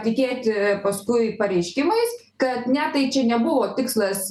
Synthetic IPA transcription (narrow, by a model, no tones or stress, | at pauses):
tʲɪkʲeːt̪ʲpɐskʊɪpɐɾʲɛɪʃʲkʲɪmɐɪs | kɐt̪nʲɛt̪ɐɪt͡ʃʲɛnʲɛbʊʋoːt̪ʲɪkslˠɐs